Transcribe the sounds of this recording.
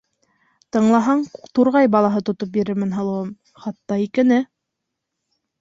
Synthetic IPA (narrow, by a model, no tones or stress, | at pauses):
t̪ɤ̆ɴlˠɑɦɑɴt̪uɾʁɑjbɑlˠɑɦɤt̪ŏt̪op̚biɾɘ̆ɾmɘnɦɤ̆lˠɤ̆wɤm | χɑt̪ːɑikɘ̆nɘ